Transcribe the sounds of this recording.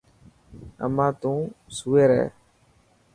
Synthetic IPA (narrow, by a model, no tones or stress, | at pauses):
ə̰mãːt̪ũːsuːeːɾɛ̰ː